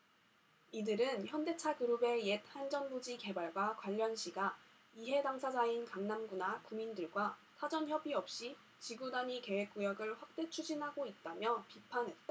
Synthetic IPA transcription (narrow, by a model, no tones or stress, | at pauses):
idɯɾɯnçjʌnde̞t͡ɕʰakɯɾube̞je̞t̚hand͡ʑʌnbod͡ʑike̞baɭɡwakwaʎːʌnɕʰiɡa | iɦe̞daŋsʰad͡ʑainkaŋnamɡunakumindɯɭɡwasʰad͡ʑʌnçjʌbiʌp̚ɕ͈i | t͡ɕiɡudaɲike̞we̞k̚k͈ujʌɡɯɭɸwak̚t͈e̞t͡ɕʰud͡ʑinɦaɡoit̚t͈amjʌpipʰanɦe̞t̚t͈a